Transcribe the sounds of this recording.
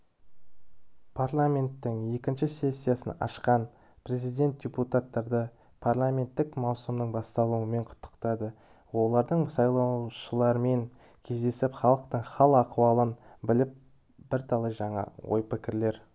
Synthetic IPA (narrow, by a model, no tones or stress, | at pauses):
pʰarlˠamʲe̞nt̪ːɪŋje̞kʲɪnʃɪse̞sʲːijasənɑ̰ʃqɑn | pʰre̞zijd̪ʲe̞nt̪̚d̥ʲe̞put̪at̪ːɑɾd̪ə | pʰarlˠamʲe̞nt̪ːɪkmɑwsəmd̪əɴbɑst̪ɑlˠuəme̞ɴqʰʊ̥t̪ːə̥qt̪ɑd̪ə | wo̞lˠɑɾd̪əɴsɑjlˠɑwʃəlˠɑɾəme̞ŋ | kʲʰe̞zd̪e̞sɪpχɑlˠəqt̪əɴχɑlˠɑquwɑlˠənbɪlɪp̚ | b̥ɪɾt̪ʰɑlˠəʒɑɴɑ̰wo̞̰jpɪkʲɪɾle̞ɾ